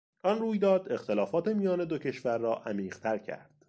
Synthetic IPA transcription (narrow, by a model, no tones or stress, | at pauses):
ʔɒnruːjd̪ɒːd̪e̞xt̪e̞lɒːfɒːt̪ʰe̞mijɒːne̞d̪o̞cʰe̞ʃvæɾːɒːʔæmiːʁ̥t̪ʰæɾcʰæ̰ɾd̪̥